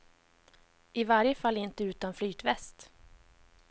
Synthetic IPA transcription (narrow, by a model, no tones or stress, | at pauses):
ɪvaɾjəfalːɪnt̪əʉ̟ːt̪anflyːt̪vɛst̪